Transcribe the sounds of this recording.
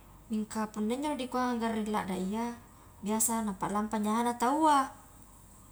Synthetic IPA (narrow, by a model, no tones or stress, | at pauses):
miŋkapundeɲd͡ʒodikuaŋaŋɡarːilaʔdaija | biasanapalampaɲaanat̪aua